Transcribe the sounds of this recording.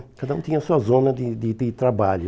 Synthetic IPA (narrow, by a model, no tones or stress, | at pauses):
kad̪ɐũt̪ĩɲɐsuɐzõnɐd̪ɪd̪ɪd̪ɪt̪ɾabaʎʊ